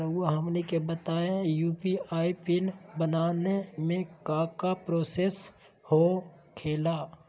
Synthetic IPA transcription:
oɦəmlikebət̪aːẽjuːpiaːipɪnbənaːnemẽkaːkapɾoːseːs | ho | kʰeːlaː

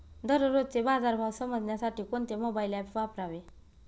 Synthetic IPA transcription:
d̪ʱəɾəɾod̪̚t͡sebad͡zaɾbʱawsəməd͡zʱɳjasaʈʰiːkont̪emobailɛpʋapɾaʋe

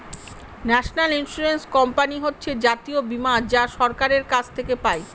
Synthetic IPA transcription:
nɛʃonalinsuɾenskɔmpaniɦotːɕʰed͡ʑat̪iobimad͡ʑaʃɔɾkaɾeɾkat͡ɕʰt̪ʰekepae

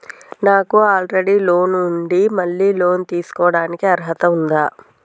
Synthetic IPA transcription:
naːkuaːlɾeɽiːlo̞ːnuɳɖimɐɭːiːloːnt̪iːsu̥kɔːɽaːnikiɐɾɐɦɐt̪ɐund̪aː

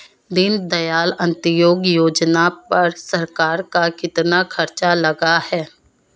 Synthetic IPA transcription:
d̪ɪnd̪ɐjaːlə̃nt̪əjoːɡjoːd͡ʒnapɐɾsəɾkaːɾkakɪt̪nakʰɐɾt͡ʃalɐɡahɛː

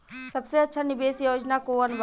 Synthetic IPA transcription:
sɐbseɐtːʃʰanɪbeːsjoːd͡ʒnakoənb

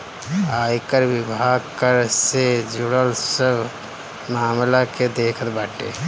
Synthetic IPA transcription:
aːjkəɾʋɪbʱaːɡkəɾsed͡ʒʊɽəlsəb | maːmlaked̪eːkʰət̪baːʈḛː

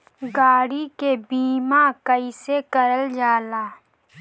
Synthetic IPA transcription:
ɡaːɽikebiːmakəisekəɾəld͡ʒaːlaː

